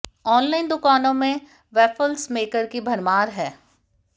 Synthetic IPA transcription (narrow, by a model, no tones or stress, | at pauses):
ɔːnlaːɪnd̪ʊkaːnõmẽ | ʋɛːpʰəlsmeːkəɾkibʱɐɾmaːɾɦɛː